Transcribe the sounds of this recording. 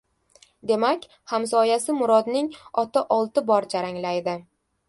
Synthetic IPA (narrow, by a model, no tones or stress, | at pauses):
d̪e̞makʲ | hamsɒjasɪmʊɾɒd̪nɪŋɒt̪aʔɒlˠt̪ɪbɒɾd͡ʒaɾaŋlajd̪ɪ